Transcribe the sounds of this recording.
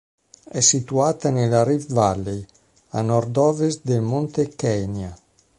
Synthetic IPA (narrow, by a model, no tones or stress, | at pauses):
ɛsːit̪uaːt̪anelaɾifvalːej | a̰nɔrd̪ɔːvesd̪elmont̪ekɛnja